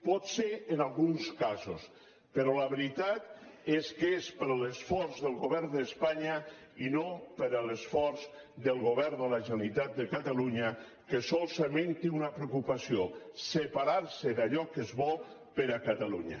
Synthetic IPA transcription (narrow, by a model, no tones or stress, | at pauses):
pɔt̪seɾːnalˠɣunskazos | pəɾɔlaβeɾit̪at̪eskespəɾləsfɔrzðəlˠɣoβɛɾnd̪əspaɲa | inopəɾələsfɔɾz | d̪əlˠɣoβɛɾd̪əlaʒənalit̪at̪̚d̪əkat̪aluɲa | kəsɔlˠsament̪iunapɾeukupasiosəpaɾaɾsəd̪aʎɔkəzβɔ | pəɾakat̪aluɲa̰